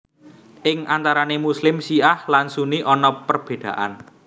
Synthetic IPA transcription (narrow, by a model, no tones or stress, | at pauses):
ʔɪŋʔant̪aɾanemuslɪmsiahlansuniʔɔnɔpərb̥ed̪̥ä̤̰ʔa̰n